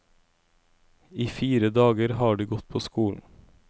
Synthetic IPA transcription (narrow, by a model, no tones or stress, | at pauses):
iːfiːɾəd̪ɑːɡəɾhɑːɖiːɡɔt̪̚pʰoːskuːln̩